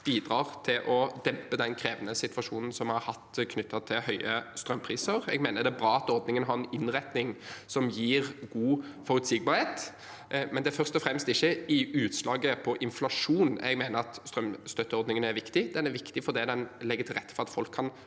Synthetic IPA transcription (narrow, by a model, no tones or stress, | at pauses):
b̥iːd̪ɾɑːʁt̪ʰɪlʔɔd̪ɛmpəd̪ɛnkʰɾeːʋənəsɪt̪ʋɑʂuːnən̩sɔmhɑɾhɑt̪ːkʰnʏt̪ːɑt̪ʰɪlhœʏəst̪ɾœmːpʰɾiːsəɾɛ̰ɡmeːnəd̪ɛæbɾɑːɑt̪ɔɾd̪nɪŋənəɦɑɾɛnɪnʁɛt̪nɪŋsɔmjiːʁɡuːfɔɾʉt̪sɪɡ̚bɑːɾheːt̪ | mɛnd̪ɛæɾfœʁst̪ɔfɾɛmst̪ɪçːəɪʉːt̪slɑːɡəpʰɔʔɪnflɑʂuːnɛ̰ɡmeːnəɾɑt̪st̪ɾœmst̪œt̪ːəɔɾd̪nɪŋənæɾʋɪkt̪ɪd̪ɛnæɾʋɪkt̪ɪfɔɾd̪ɛd̪ɛnlɛɡːət̪ʰɪlʁɛt̪ːfɔɾʁɑt̪fɔlkʰːɑn